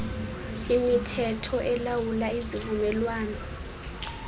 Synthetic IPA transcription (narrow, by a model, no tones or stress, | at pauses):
imitʰɛtʰɔʔɛlawulaizivumɛlwaːnɔ